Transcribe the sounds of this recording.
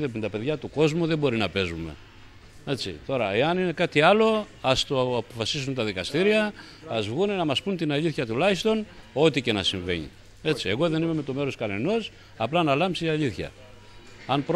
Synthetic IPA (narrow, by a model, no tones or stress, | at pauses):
emet̪ɐpe̞ðʝɐt̪uko̞zmuðe̞bo̞ɾinɐpe̞zume̞̰ | e̞t͡sḭt̪o̞ɾɐeɐnine̞kɐt̪iɐlo̞ | ɐst̪oɐpo̞fɐsis̬unt̪ɐðikɐst̪iɾiɐː | zvɣunenɐmɐspunt̪inɐʎiθçɐt̪ulɐçist̪o̞no̞t̪ice̞nɐsiɱve̞̰ɲḭ | e̞t͡sie̞ɣo̞ðe̞nimemet̪o̞me̞ɾo̞skɐne̞no̞s | ɐplɐnɐlɐmpsiɐʎiθçɐ̰ | ɐnpɾ